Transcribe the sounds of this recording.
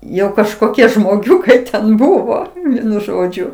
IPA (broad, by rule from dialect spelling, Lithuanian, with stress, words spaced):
ˈjɛʊ kɐʃkoːˈkʲiɛ ʒmoːˈɡʲʊkɐɪ tʲɛn ˈbʊʋoː ˈʋʲiɛnʊ ˈʒoːd͡ʒʲʊ